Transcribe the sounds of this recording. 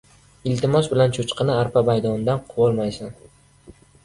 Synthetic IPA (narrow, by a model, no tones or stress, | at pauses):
ɪlt̪ʰɪmɒsbɪlant͡ʃʰot͡ʃqʰɨnɪaɾpʰabajd̪ɒnd̪anqʰʊwɒlˠmajsɪn